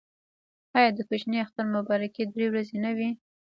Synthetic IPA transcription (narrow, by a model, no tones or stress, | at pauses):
ɑjɑd̪əkʊt͡ʃniaxt̪aɾmʊbɑɾaked̪ɾewɾazenawi